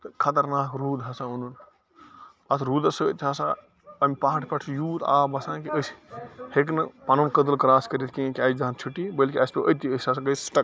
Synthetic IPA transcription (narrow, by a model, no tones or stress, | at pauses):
t̪əkʰɐt̪ɐɾnaːkɾuːd̪ɦɐsãunun | ɐt̪ʰɾuːd̪ɐsəət̪ʰasa | ɐmʲpaɦʈʰpɐʈʰjuːt̪a̰ːbɐsãːkiəsheknɐpanonkəd̪əlkɾaːskəɾit̪̚ʰkĩkiaːjd͡ʒd͡ʒaɦnt͡ʃʰuʈibəlkiaspeʔət̪iəsasaɡəsʈɐk